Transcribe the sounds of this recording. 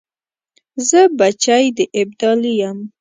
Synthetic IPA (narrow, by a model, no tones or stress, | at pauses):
zəbat͡ʃajd̪əʔɪb̚d̪ɑlijam